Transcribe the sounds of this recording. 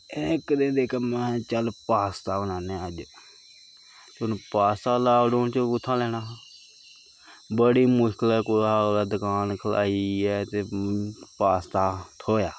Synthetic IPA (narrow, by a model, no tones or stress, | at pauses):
ekd̪ẽːd̪eːkʰamɛ̃ːt͡ʃəlpaːst̪aːbənaːneːəd͡ʒ | t͡ʃʊnpaːst̪aːlaːɖoːnt͡ʃəʊt̪ʰːãːlɛːñaːɦː | bəɽiːmʊʃkəlɛkʊaːlad̪əkaːnkʰəla̰ːiːɛːt̪eːpaːst̪aːt̪ʰoːjaː